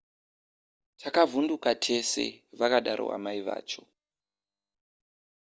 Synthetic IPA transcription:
tʰakavundukatʰe̞se̞̰ʋakaɗaɾʔo̰a̰maiʋa̰ːt͡ʃo̥

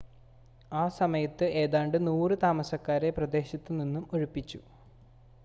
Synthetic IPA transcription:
aːsɐmɐjɐt̪ːɨe̞ːðaːɳɖɨnuːrɨt̪aːmɐsɐkːaːɾeprɐd̪e̞ːɕɐt̪ːɨninːumoɻupːit͡ɕːu

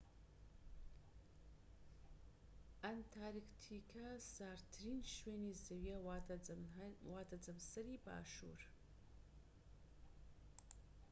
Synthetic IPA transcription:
ant̪ʰaːɾikt̪ʰikʰɐsaːɾt̪ʰɨɾiːnʃweːnizɐwjɐ | waːt̪ʰɐd͡zɐmsɐɾiba̰ːʃṵːɾ

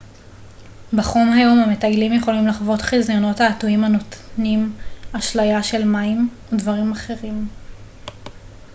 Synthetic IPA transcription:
baχo̞mhajo̞mhame̞tajlimjeχo̞limlaχvo̞tχizjono̞thaːtuimhano̞tnimaʃlajaʃe̞lmaim | odvaʁimaχe̞ʁim

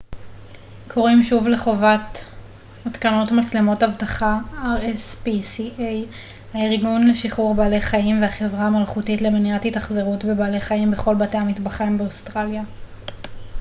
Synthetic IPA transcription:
kʰo̞ʁimʃuvle̞χo̞vat | atkano̞tmat͡slemo̞tavtaχaaʁespisiʔej | haiʁɡunleʃiχuʁbaːle̞jχaimveaχe̞vʁaamalχutitle̞meniathitaχze̞ʁutbe̞baːle̞jχaimbe̞χo̞lbate̞jhamitbaχambeostʁalja

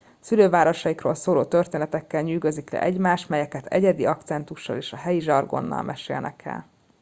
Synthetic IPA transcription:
syløːvaːɾo̞ʃɒjikro̰ːlsoːloːt̪ørt̪eːnɛt̪ɛkːɛlɲyːɡø̞ziklɛ̰ʔɛɟmaːʃmɛjɛkɛt̪ʰɛɟɛd̪iɒkt̪sɛnt̪uʃːɒ̰leːʃɒɦɛjiʒɒrɡo̞̰nːɒ̰lmʔɛʃḛːlnɛ̰kʰɛ̰l

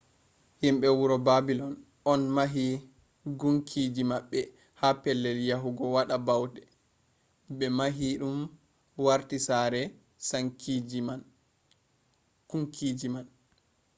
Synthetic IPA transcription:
himɓɛwuɾɔbabilɔn | ɔnmaɦi | ɡuŋkʰid͡ʒimaɓːɛ | hapɛlːɛljaɦuɡɔwaɗabawdɛ | bɛmaɦiɗum | waɾtisaɾɛ | saŋkid͡ʒiman | kuŋkʰid͡ʒiman

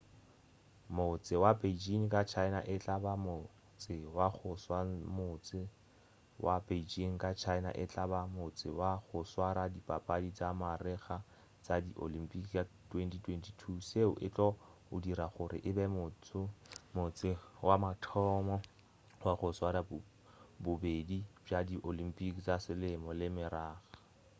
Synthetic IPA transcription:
mʊt͡sʼɪwabeid͡ʒiŋ̩kʼat͡ʃʰaɪna̰ʔɪt͡ɬʼabamʊ | t͡sɪwaχʊswamʊt͡sɪ | wʔabed͡ʒiŋ̩kʼat͡ʃʰaɪna̰ʔɪt͡ɬʼabamʊt͡sʼɪ̰waχʊswaɾadipʼapʼadit͡samarɪχa | t͡sadiʔo̰lim̩pʼikʼatʼwentitʰwentʰi̥tʰuseʊʔɪt͡ɬʼɔʊdiɾaχʊɾɪ̰ʔɪbɛmʊt͡smʊt͡sʼɪwamatʰɔmɔ | waχʊswaɾa | bʊbedibadiʔolim̩pʼikt͡sasɪlɪmɔlɪmɪɾaːχḁ

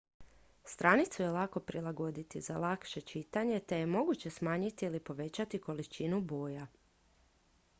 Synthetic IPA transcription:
st̪ɾanit̪suje̞lˠako̞pɾilˠaɡo̞d̪it̪izalˠakʃe̞t͡ʃit̪aɲe̞t̪e̞je̞mo̞ɡut͡ɕe̞smaːɲit̪iilipo̞ʋe̞t͡ɕat̪iko̞lit͡ʃinubo̞ːja

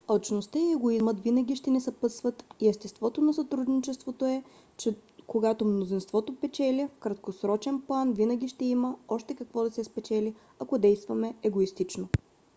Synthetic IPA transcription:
ot͡ʃnost̪əiɛɡoizmət̪vinɐɡ̟ʲiʃt̪ɛnɛsɐpɤsvɐt̪iɛst̪ɛst̪vɔt̪onɐsɐt̪ɾud̪nit͡ʃɛst̪vot̪oɛ | t͡ʃɛkoɡat̪omnozinst̪vɔt̪opɛt͡ʃɛlʲəfkɾɐt̪kosɾɔt͡ʃɛnplˠanvinɐɡʲiʃt̪ɛimɐɔʃt̪ɛkɐkvɔd̪ɐsɛspɛt͡ʃɛlʲi | ɐkod̪ɛjst̪vɐmɛɛɡoist̪it͡ʃno

